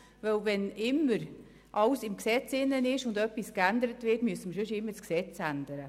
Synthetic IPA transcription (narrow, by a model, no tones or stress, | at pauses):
vœwvɛnɪmːəɾ | ʔɑlsɪmksɛt͡sɪnːənɪʃʊndœpːiskændəɾətvɪtmyəsəməʃjøʃɪmːəsksɛt͡sændəɾə